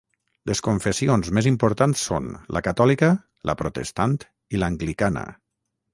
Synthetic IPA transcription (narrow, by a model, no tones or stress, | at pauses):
leskoɱfesionzmezimpoɾt̪ansːo̰nlə̰kat̪ɔlikə | lʔə̰pɾot̪ḛst̪ant̪ | ilaŋɡlikanə̰